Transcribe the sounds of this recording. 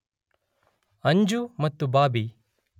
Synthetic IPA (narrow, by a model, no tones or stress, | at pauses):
ɐɲd͡ʒumɐt̪ːubaːbi